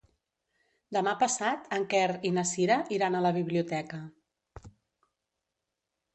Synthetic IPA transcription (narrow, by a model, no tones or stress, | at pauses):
d̪əmapəsat̪əŋkɛɾinəsiɾəʔiɾanələβ̞iβ̞liut̪ɛkə